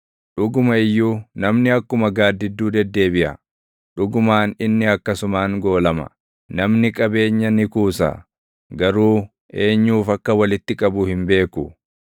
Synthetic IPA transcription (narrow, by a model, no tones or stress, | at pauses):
ᶑʊɡʊmɐɪjːuːnɐmnɪɐkːʊmɐɡaːd̪ːɪd̪ːuːd̪ɛd̪ːe̞ːbɪʔɐ̰ | ᶑʊɡʊmaːnɪnːɪɐkːɐsʊmaːŋɡo̞ːlɐmɐ̰ | nɐmnɪkʼɐbe̞ːɲːɐnɪkuːsɐ̰ | ɡɐɾuː | ʔe̞ːɲːuːfɐkːɐwɐlɪt̪ːɪkʼɐbʊhɪmbe̞ːkʊ